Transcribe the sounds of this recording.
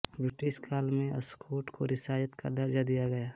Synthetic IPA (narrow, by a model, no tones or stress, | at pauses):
bɾɪʈɪʃkʰaːlmẽɐ̰skʰoːʈkoɾɪsaːjət̪ka̰d̪ɐɾd͡ʒad̪ijaɡɐjaː